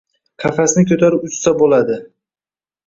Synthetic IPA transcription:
qʰɑfasɪnɪkʲʰɵt̪ʰaɾɪʊssabolad̪ɪ

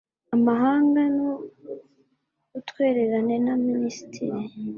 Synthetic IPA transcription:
amaɦaːŋɡano | utkwe̞ːɾeɾane̞naminisi̥tʰḭɾi

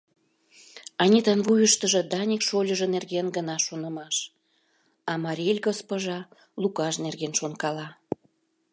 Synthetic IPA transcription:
ɑnʲit̪ɑnvujəʃt̪əʒə̆d̪ɑnʲikʃolʲəʒə̆nerɣenɡənɑʃonə̆mɑʃ | ɑmɑɾʲilʲɡospoʒɑ | lukɑʃnerɣenʃonkɑlɑ

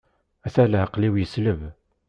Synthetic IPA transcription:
æθælhəqliwjəsləv

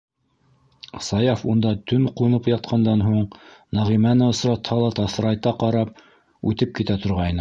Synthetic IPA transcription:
sɑjɑfund̪ɑt̪ɵŋqŭnɤpjɑt̪̚qʰɑnd̪ɑnɦuɴnæʁimænɘŏsɾɑt̪hɑlˠɑt̪ɑθɾɑjt̪ɑqɑɾɑp̚ | ʉt̪ɘp̚kit̪æt̪ŏɾʁɑjnɤ

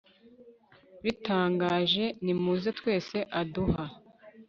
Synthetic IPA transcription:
βitaːŋɡaːʒe̞nimuːzetwe̞ːse̞ʔaduha

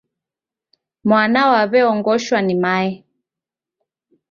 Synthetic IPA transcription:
mwanaɔwaβɛɔŋɡɔʃwanimaɛ

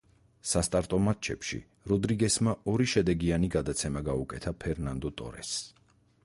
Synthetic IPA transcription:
sast̪ʼaɾt̪ʼɔmat̪̚t͡ʃʰɛpʃḭ | ɾɔd̪ɾiɡɛsmaɔɾiʃɛd̪ɛɡianiɡad̪at̪sʰɛmaɡaukʼɛt̪ʰapʰɛɾnand̪ɔt̪ʼɔ̰ɾɛ̰s

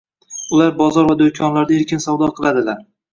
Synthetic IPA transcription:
ʊlaɾbɒzɒɾvad̪ojkʲʰɒnlaɾd̪aeɾkʲɪnsawd̪ɒqʰɨlˠad̪ɪlaɾ

